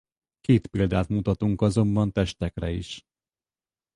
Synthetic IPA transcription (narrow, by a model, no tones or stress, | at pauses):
keːt̪pild̪aːt̪mut̪ɒt̪uŋkɒzo̞mbɒnt̪ɛʃt̪ɛkrɛiʃ